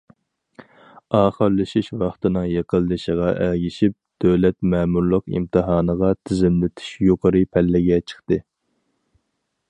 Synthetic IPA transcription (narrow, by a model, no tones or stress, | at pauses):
ɑːχəɾlɨʃiʃwɑχt̪ɨnɨŋjeqəlˠːɨʃəʁɑʔæɡʲiʃip̚d̪̥øwlɛt̪mɛːmuɾlˠʊqḭmt̪ʰɨɦɑːnəʁɑt̪ʰɪzɪmlɪt̪ʰy̥ʃjoqʰəɾɨpʰɛlːɪɡʲɛt͡ʃʰə̥χt̪ɨ